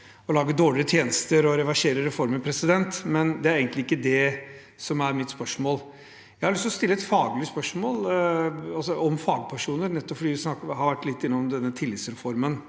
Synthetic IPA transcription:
ɔlɑːɡəd̪oːɭɪət̪ʰjeːnəst̪əɾɔɾɛʋɑʂeːɾəɾɛfɔɾməpʰɾɛsɪd̪ɛnt̪mɛnd̪ɛæɾeːɡənt̪lɪɪkːəd̪ɛ | sɔmæɾmɪt̪spœʂmoːl | jæɪhɑɾlʏst̪ɔst̪ɪlːəɛt̪fɑːɡlɪspœʂmoːl | ɑlsɔʔɔmfɑːɡpʰæʂuːnəɾnɛt̪ːɔpfɔɖ̪iːʋɪsnɑkhɑɾʋæʈːlɪt̪ːɪnːəɔmd̪ɛnːət̪ʰɪlːɪt̪sɾɛfɔɾmən

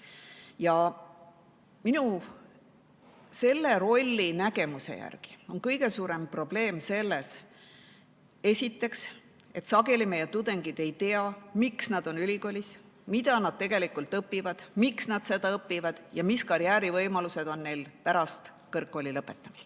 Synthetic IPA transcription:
jɑ | minu | se̞lːe̞ɾo̞lʲːinæɡe̞musḛjæ̰rɡ̥i̥o̞nkɤjɡ̥e̞suːɾe̞mpro̞ble̞ːmse̞lːes | e̞sʲit̪ːe̞ks | e̞t̪sɑɡe̞lime̞jet̪ud̪eŋɡid̪̥e̞jt̪e̞ɑmiksnɑd̪̥o̞nylʲiko̞ːlʲis | mid̪̥ɑnɑd̥̪̚t̪e̞ɡ̥e̞likult̪ɤpːivɑd̪̥miksnɑd̪̥se̞d̪ɑɤpːˑivɑd̪̥jɑmiskɑɾjæːɾivɤjmɑluse̞d̪o̞nːe̞jlpæɾɑst̪ | kɤrkːo̞ːlilɤpːˑe̞t̪ːˑɑmi̥st̪

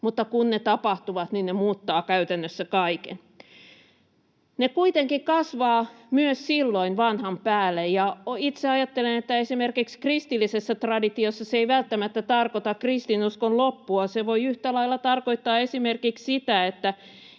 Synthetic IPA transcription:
mut̪ːɑkunnet̪ɑpɑht̪uʋɑt̪ninnemuːt̪ːɑːkæyt̪ænːøsːækɑikḛn | nekuit̪eŋkikɑsʋɑːmyøssilːoinʋɑnhɑmpæːlːejjɑit̪seɑjɑt̪ːelenet̪ːæesimerkikskrist̪ilːisesːæt̪rɑdit̪iosːɑseiʋælt̪ːæmæt̪ːæt̪ɑrkot̪ɑkrist̪inuskonlopːuɑseʋoiyht̪ælɑilːɑt̪ɑrkoit̪ːɑːesimerkikssit̪æet̪ːæ

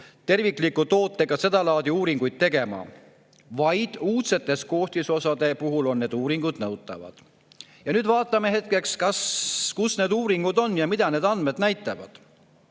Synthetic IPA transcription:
t̪e̞rvikˑlikːut̪o̞ːt̪ːˑe̞ɡ̥ɑse̞d̪̥ɑlɑːd̪iuːɾiŋɡ̥ujd̪̥̚t̪e̞ɡe̞mɑ̰ | vɑjd̪̥uːt̪se̞t̪ːˑe̞sko̞ːht̪iso̞sɑd̪e̞puɦulo̞nːe̞d̪uːɾiŋɡ̥ud̪̥nɤwt̪ːˑɑ̰vɑ̰d̪̥ | jɑnyːd̪vɑːt̪ˑːɑmeɦe̞t̪̚ke̞kskɑskusne̞ːd̪uːɾiŋɡ̥ud̪o̞nːjɑmid̪̥ɑne̞ːd̪ɑnd̪me̞d̪̥næjt̪ːˑɑvɑ̰d̪̥

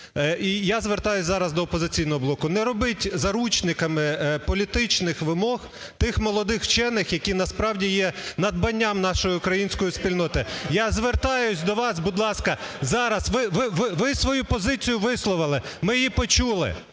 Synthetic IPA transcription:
ijazʋert̪ɑjʊsʲzɑɾɐzd̪ɔːpɔzɪt͡sʲijnɔɦɔblˠɔkʊnɛɾɔbɪtʲzɐɾut͡ʃnɪkɐmɪpɔlʲit̪ɪt͡ʃnɪxʋɪmɔx | t̪ɪxmɔlˠɔd̪ɪxt͡ʃɛnːɪxjɐkʲinɐspɾɑwdʲijɛnɐd̪̚bɐnʲːamnɑʃɔjiʊkɾɐjinʲsʲkɔjispʲilʲnɔt̪ɪjazʋert̪ɑjʊsʲd̪ɔʋɑsbud̪lˠɑskɐzɑɾɐsʋɪʋɪʋɪʋɪsʋɔjupɔzɪt͡sʲijʊʋɪslˠɔʋɪlˠɪmɪjipɔt͡ʃulˠɪ̰

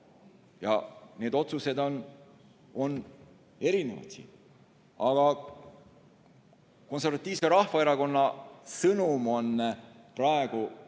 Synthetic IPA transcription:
jɑ̰ne̞ːd̪o̞t̪suse̞d̪on | o̞nː | e̞ɾinevɑ̰t̪sḭ | ɑɡ̥ɑ | ko̞ns̬ervɑt̪ˑːiːvseɾɑhfɑeɾɑko̞nːɑsɤnumo̞n | prɑeɡ̥u

